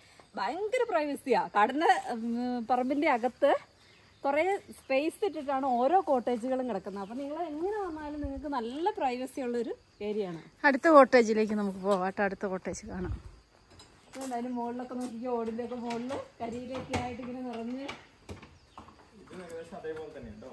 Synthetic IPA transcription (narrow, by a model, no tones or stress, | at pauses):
baːŋɡoɾuprɐjʋɐsijaːkɐɽɐnɐ | pɐrɐmbinde̞ɐɣɐt̪ːɨ | kurespejsiʈːiʈ̬ːaːɳɨo̞ːɾo̞ːko̞ːʈːe̞ːd͡ʑɨɣɐɭumkiɽɐkːunːɐɐpːoːniŋːɐɭeeŋːɐneʋɐnːaːlumniŋːɐɭkɨnɐlːɐprɐjʋɐsijɐuɭːɐo̞ɾu | keːɾijaːɳɨ̰ɐɽut̪ːɐko̞ːʈːe̞ːd͡ʑile̞ːk̬ʲːɨnɐmukːɨpo̞ːʋaːʈːɐɐɽut̪ːɐko̞ːʈːe̞ːd͡ʑɨkaːɳa̰m | ɐðɨnɳɖaːðilumːo̞ːɭːo̞kːe̞noːk̬ːik̬ʲːaoːɽindeokːe̞mo̞ːɭlɨkɐɾiːɾɐkːijaːjiʈ̬ːiŋːɐnenirɐɲːɨ | ɐɐoɐ